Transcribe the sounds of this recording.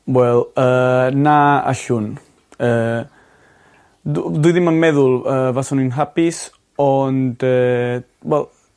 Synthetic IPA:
wɛlˠənaa̰ɬun | ə | d̪uðimamɛðulˠəvasɔninɦapis | ɔndə | wɛlˠ

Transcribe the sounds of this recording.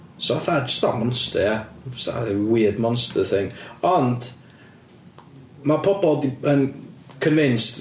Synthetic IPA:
soaθad͡ʒə̥stamɔnstəasa̰wiːədmɔnstʰəθɪŋɔnd̥ | mapʰɔbɔdiənkʰənvɪnst

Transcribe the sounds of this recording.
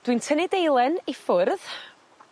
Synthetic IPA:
d̥wintʰənɪdejlˠɛnifʊrð

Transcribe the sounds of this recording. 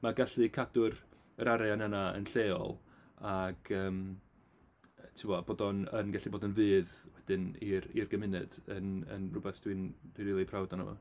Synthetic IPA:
maɡaɬɨkʰadʊr | əɾaɾɛanɛnaə̰nɬeːɔ̰lˠ | aɡ̥əːm | tʰɪmɔboːdɔnənɡaɬiboːdənvɨːðwɛd̥ɨniɾirɡəmɪnɨd̥ənə̰nrʊbɛθd̥wind̥inriːlˠipʰrawdɔnə̰mɔ̰

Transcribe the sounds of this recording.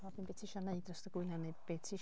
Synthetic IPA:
ɔbinbetʰiʃɔneɨdrɔsdəɡ̥ɪljaneb̥etʰiʃ

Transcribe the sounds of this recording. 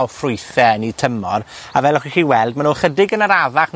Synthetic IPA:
lfrʊjθɛnitʰəmɔr | a̰vɛlɔχwiχiːwɛlˠd̚manuːχədɪɡənəɾavaχn

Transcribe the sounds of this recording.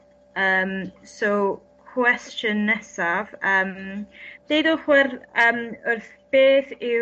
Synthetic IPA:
əːmsow | kʰwɛst͡ʃjənɛsav̥əːm | d̥ejdəlˠχwɛrəːmʊrθb̥eːθɪ

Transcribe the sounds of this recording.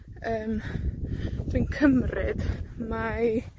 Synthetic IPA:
əːm | v̥ɨnkʰəmrɪd̥ma

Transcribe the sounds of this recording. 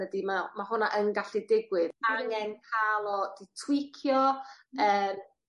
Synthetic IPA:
ədimamaɦʊnaʔənɡaɬidɪɡwɪðaŋɛnkʰaːlˠɔd̥itʰwɪkʰjɔəːm

